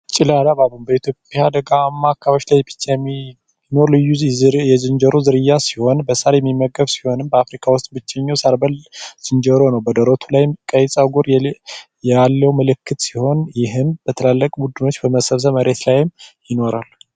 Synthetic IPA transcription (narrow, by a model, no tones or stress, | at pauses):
t͡ʃʼɪlalaβaβɨmbəit̪ʰjopʼjad̪əɡamːakʰːawoʃlajbɨt͡ʃːami | no̞ɾlɨjːujɛzɨnd͡ʒəɾozɨɾɨjːasi̥ho̞nbəsaɾjɛmːimːəɡəβsi̥ho̞nɨmbəafɾikʰawʊst̪ʼbɨt͡ʃːɛɲːawsaɾbəlz̥ɨnd͡ʒəɾo̞nəwbəd̪əɾot̪ʰulajmkʼəjt͡sʼawɡo̞ɾ | jɛalːəwmɨlɨkːɨt̪si̥ho̞njɪɦɨnb̥ət̪ʰəlalːəkʼbud̪ɨno̞t͡ʃːbəməsəβs̬əməɾe̞t̪lajɪmjɪno̞ɾal